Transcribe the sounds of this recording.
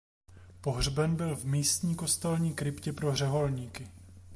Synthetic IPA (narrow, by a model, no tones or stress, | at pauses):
po̞ɦr̝bɛnbɪlvmiːst̪ɲiːko̞st̪alɲiːkɾɪpcɛpɾo̞ɦr̝ɛɦo̞lɲiːkɪ